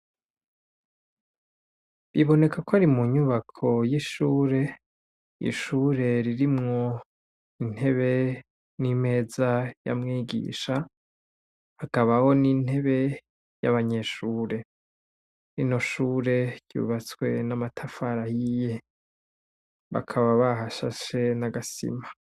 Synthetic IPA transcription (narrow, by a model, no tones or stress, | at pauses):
βiβo̞ne̞kʰakoaɾimuɲuβakʰo̞jiʃuːɾe̞ | ḭʃuːɾe̞ɾiɾimŋo̞ | in̥he̞βe̞ | nime̞ːzaja̰mŋiːɡḭːʃa | hakaβaho̞nin̥he̞βe̞ | ja̰βaɲe̞ʃuːɾe̞ | ɾino̞ʃuːɾe̞ɟ̥jṵːβat͡swe̞̰namatʰafaɾahije | βa̰kʰaβaβaɦaʃa̰ʃe̞naɡasḭma